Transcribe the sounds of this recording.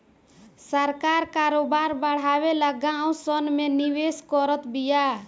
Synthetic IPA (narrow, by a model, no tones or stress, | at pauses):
səɾkaɾkaɾobaɾbəɽ̤abeləɡaũsənmeniweskɔɾət̪bija